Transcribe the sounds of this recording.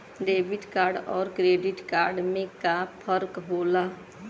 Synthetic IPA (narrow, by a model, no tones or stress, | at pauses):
ɖeːbɪʈkaːɾɖɔːɾkɾeːɖɪʈkaːɾɖmẽkapʰəɾkɦoːla